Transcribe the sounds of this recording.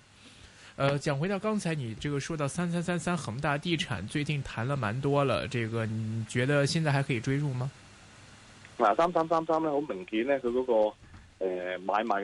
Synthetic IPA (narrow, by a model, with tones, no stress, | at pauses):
ə˧t͡ɕjɑ˨˩ŋxwe˧˥t̪ɑ˥˩ʊkɑ˥ŋt͡sʰa˧˥ɪni˨˩ʈ͡ʂɤ˥˩ɡə˩ʂwɔ˥˧t̪ɑ˥˩ʊsa˥nsa˥nsa˥nsa˥nxə˨˩ŋt̪a˥˩t̪i˥˩ʈ͡ʂʰa̰˨˩˦nt͡swe˥˧ɪt͡ɕi˥˩ŋt̪ʰa˧˥nlə˧ma˧˥nt̪wɔ˥lə̰˨ʈ͡ʂɤ˥˩ɡə˩ni˨˩t͡ɕɥɛ˧˥d̪ə˧ɕjɛ˥˧t͡sa˥˩ɪxkʰɤ˧˥i˨˩ʈ͡ʂwe˥ɪʈ͡ʂu˥˩mɐ˩ | laː˨˩sa˥msaː˥msaː˥msaː˥mnɛ˥˩o˧˥ʊmə˨˩ŋki˨˥nɛ˥kʰɤ˧kɔː˨˧˥kɔː˧ | ɛ˨˩maː˨˧˥jma˨˧˥